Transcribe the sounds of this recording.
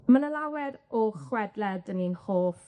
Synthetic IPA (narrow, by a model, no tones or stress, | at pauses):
mənəlawɛɾɔχwɛdlɛdəninhoːf